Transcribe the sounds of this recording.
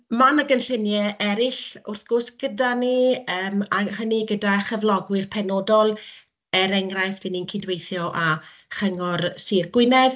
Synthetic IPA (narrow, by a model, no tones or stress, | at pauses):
manəɡənɬɪnjɛʔɛɾɪɬʊrθɡ̥ʊsɡ̥ədaniəːmaɦəniɡədaχəvlˠɔɡwɪrpʰɛnɔdɔlˠ | ɛɾɛŋɡrajfd̥ɪninkʰɪdwejθjɔʔa | χəŋɔrsirɡ̥wɪnɛð